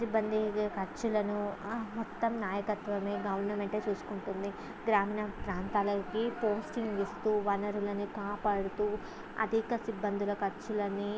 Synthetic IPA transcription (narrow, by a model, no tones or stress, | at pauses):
sibːɐnd̪ʱikɐɾt͡ʃulɐnumɔt̪ːɐmnaːjɐkɐt̪ʋɐmeːɡɐʋɐɾnːɐmeɳʈeːt͡ʃuːsu̥kuɳʈund̪i | ɡɾaːmiːnɐpɾaːnt̪aːlɐkipoːsʈiŋɡʋist̪uːʋɐnɐɾulɐnikaːpaːɽut̪uː | ɐ̰d̪ʱikɐsibːɐnd̪ʱulɐkɐɾt͡ʃulɐni